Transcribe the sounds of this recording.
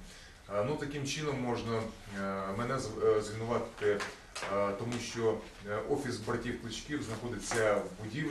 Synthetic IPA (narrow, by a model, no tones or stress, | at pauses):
nut̪ɐkimt͡ʃɪnɔmːɔʒnɐ | mɛnɛzzʋʲilnʊʋɑt̪ɪ | t̪ɔmuʃt͡ʃɔ | ʔɔfʲisbɾɐtʲiwklˠɪt͡ʃkʲiwznɐxɔd̪ɪt͡sʲːɐwbʊdʲi